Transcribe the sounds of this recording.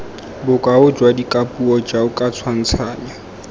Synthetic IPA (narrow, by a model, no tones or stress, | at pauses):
bʊkʼaʊd͡ʒwadikʼapʼuɔd͡ʒaʊkʼat͡sʰwan̩t͡sʰaːɲa